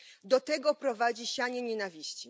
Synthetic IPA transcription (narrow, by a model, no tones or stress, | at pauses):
d̪ɔt̪ɛɡɔpɾɔvad͡ʑiɕaɲɛɲɛnavʲiɕt͡ɕi